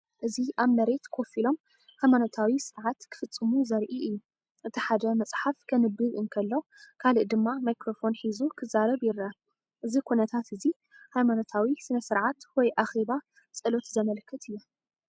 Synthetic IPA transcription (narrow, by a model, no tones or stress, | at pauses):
ʔɨziʔaβmɐɾe̞t̪kʰo̞filo̞m | hajmanot̪ʰawisɨɾʕat̪kʰɨ̥fɨt͡sʼːɨmuzɐɾʔiɨjːu | ʔɨt̪ʰiħad̪ɐmɐt͡sʼħafkʰɐnɨbɨɣɨnkʰɐlːo̞kʰaliʔd̪ɨmːamajkɾo̞fo̞nħizukʰɨzaɾɐβjɪɾɐ | ʔɨzikʰunɐt̪ʰat̪ɨzi | hajmano̞t̪ʰawisɨnɐsɨɾʕat̪wɔjʔaxe̞βa | t͡sʼɨlo̞t̪zɐmɐlkʰːɨt̪ʰɨjːu